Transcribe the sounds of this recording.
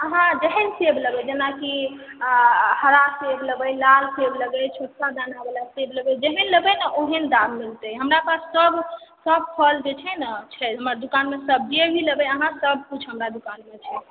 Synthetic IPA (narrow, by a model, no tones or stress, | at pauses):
əɦãd͡ʒəɦənsebləbəd͡ʒenaki | həɾasebləbəjlalsebləɡəjt͡ʃʰoʈ̚sad̪anabelasebləɡəjd͡ʒəɦinləbənəʔoɦənd̪aɾmilt̪əjɦəmɾapasːəbʱsəb̚pʰəld͡ʒet͡ʃʰɛnət͡ʃʰɛɦəmad̪ukanmesəb̚d͡ʒebʱiləbəəɦãsəb̚kit͡ʃʰɦəmɾad̪ukanmet͡ʃʰɛ